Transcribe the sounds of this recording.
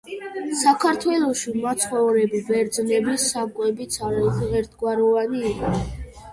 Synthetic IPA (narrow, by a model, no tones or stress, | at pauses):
sakʰaɾt̪ʰwɛlˠɔʃimat̪sʰχɔvɾɛbibɛɾd̪znɛbisakʼwɛbit̪sʰaɾɛχʰʁɛɾt̪ʰɡwaɾɔvaniːqa